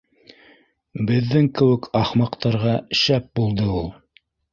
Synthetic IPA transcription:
bɘ̆ðːɘŋkɘ̆wɘ̆kʰɑχmɑqt̪ɑɾʁɑʃæp̚bulˠd̪ɤulˠ

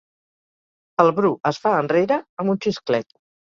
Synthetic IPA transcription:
əlˠβɾuəsfaənreɾəəmbunt͡ʃisklɛt̪̚

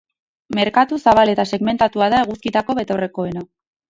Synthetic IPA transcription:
me̞ɾkat̪usaβ̞ale̞t̪ase̞ɣme̞nt̪at̪uaðaeɣuskit̪ako̞βe̞t̪o̞re̞ko̞e̞na

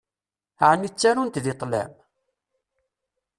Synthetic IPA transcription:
ʕnːit͡sːæɾunt̪ðɪt̪ˤlæ̰m

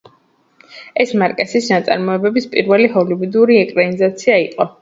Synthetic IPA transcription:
ɛsmaɾkʼɛsisnat̪sʼa̰ɾmɔɛbɛbispʼiɾvɛliɦɔlivud̪uɾiɛkʼɾanizat̪sʰiaiqʼɔ

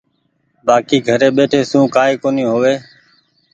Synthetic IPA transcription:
baːkiːɡʱəɾeːɓeːʈʰeːsũːkaːeːkoːniːɦoːʋeː

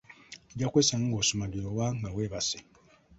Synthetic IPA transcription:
eɟakwesaŋŋɡosumaɡiowaŋɡaweːβase

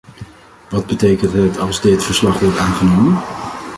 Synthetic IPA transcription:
ʋɑd̚bətejkəntɦətɑlˠzdɪtfəɹslɑχʋɔɹtaːnχənowmən

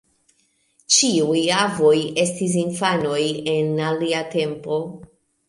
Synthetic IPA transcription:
t͡ʃiujavo̞je̞stis̬infano̞jenaliate̞mpo̞

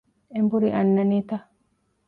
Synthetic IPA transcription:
embuɾiʔɐnːɐniːt̪ɐ

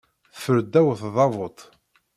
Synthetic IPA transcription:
fəɾd̪ːæwθðˤɑvot̪ˤ

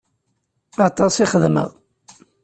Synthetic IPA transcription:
ɑt̪ˤɑsiχəðmə̰ʁ

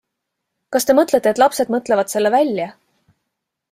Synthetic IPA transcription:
kɑst̪e̞mɤt̪le̞t̪ːet̪lɑpse̞d̪̥̚mɤt̪ˑle̞vɑd̪̥se̞lːevælʲjɑ

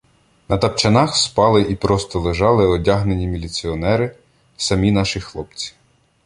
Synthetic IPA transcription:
nɐt̪ɐpt͡ʃɐnɑxspɑlˠɪʔipɾɔst̪ɔlˠeʒɑlˠɪɔdʲaɦnenʲimʲilʲit͡sʲiɔnɛɾɪ | sɐmʲin̪ɑʃɪxlˠɔpt͡sʲi̥

